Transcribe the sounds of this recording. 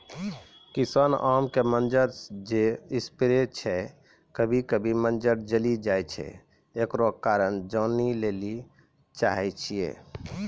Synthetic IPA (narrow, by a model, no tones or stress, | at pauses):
kisanamkemənd͡ʒəɾd͡ʒeispiɾet͡ʃʰɛ | kəbʱikəbʱimənd͡ʒəɾd͡ʒəlid͡ʒajt͡ʃʰɛ̰ | ekɾokaɾənd͡ʒɔnileli | t͡ʃaɦɛt͡ʃʰijḛ